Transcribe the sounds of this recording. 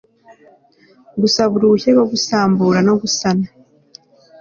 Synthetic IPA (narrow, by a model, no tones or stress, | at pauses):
ɡusaβuɾuuçeɡo̞ɡusaːmbuːɾano̞ɡusana